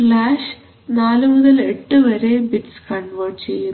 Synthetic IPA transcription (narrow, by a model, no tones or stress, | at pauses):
laːʂ | naːlmuðɐleʈːɨʋɐɾebiʈskɐɳɖʋɐrʈt͡ɕḛjːu